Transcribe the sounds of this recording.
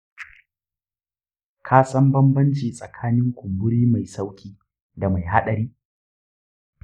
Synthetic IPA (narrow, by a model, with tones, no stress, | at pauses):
kʰaː˦sɐ˦mbɐ˦mbɐ˦nt͡ʃiː˨sʼɐ˨kʰaː˦nɪ˦ŋkʷʊ˨mbʊ˦ɽiː˦ma˨jsa˦wkʲʰiː˦ | da˨ma˨jɦa˦ɗɐ˨ɾiː˦